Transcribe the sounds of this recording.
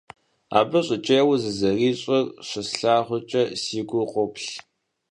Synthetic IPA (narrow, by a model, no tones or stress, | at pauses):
a̰ːbɐɕʼʊt͡ʃʼɐjɛwzɨzɐriːɕʼɐrɕɐsɬaːʁʷʊt͡ʃʼɐsiːɡʷʊqʷʊpɬ